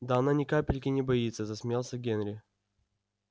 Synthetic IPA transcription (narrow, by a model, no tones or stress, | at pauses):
d̪aɐnanʲɪkapʲɪlʲkʲɪnʲɪbɐit̪sːəzəsmʲjalˠsʲəɡʲenɾʲɪ